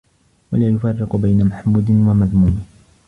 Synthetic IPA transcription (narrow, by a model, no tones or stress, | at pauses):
walaːjʊfɑrːɪqʊbajnamaħmuːd̪ɪnwamaðmuːmɪ